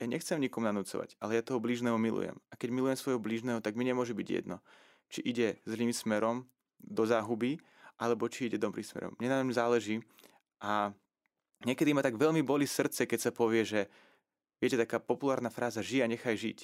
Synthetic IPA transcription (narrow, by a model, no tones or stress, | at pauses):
jaɲɛxt͡sɛmɲikɔmunanut͡sɔ̰ʋa̰ɟalɛjat̪ɔɦɔbliːʒnɛːmumilṵjɛ̰makɛɟmilujɛmsʋɔjɦɔbliːʒnɛːɦɔt̪aɡmiɲɛmʊɔʒubiɟjɛ̰d̪nɔ | t͡ʃiʔiɟɛzliːmsmɛɾɔm | d̪ɔzaːɦubi | ʔalɛbɔt͡ʃiiɟɛd̪ɔbɾixsmɛ̰ɾɔ̰mɲɛnamzaːlɛʒiː | ʔa | ɲɛkɛd̪imat̪aɡʋɛʎmibɔlisr̩t̪t͡sɛkɛcsapɔʋɪɛʒɛ | ʋɪɛcɛt̪akaːpɔpulaːɾnafɾaːzaʒiaɲɛxajʒḭc